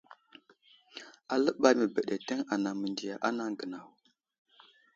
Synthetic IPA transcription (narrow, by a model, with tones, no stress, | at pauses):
a˨lə˦ɓa˨jmə˨bə˨ɗe˨tə˦ŋa˨na˨mə˨ndi˨ja˨ʔa˦na˦ŋɡə˨na˨w